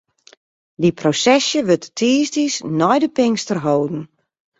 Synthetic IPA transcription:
diprosɛsjəʋøtətʰiːstisnɔjdəpɪŋstərɦowdn̩

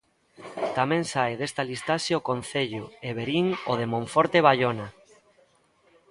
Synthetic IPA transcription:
t̪amẽŋsaeðest̪alist̪aʃeokon̟θeʎʊeβeɾiŋoðemõɱfoɾt̪eβaʎona

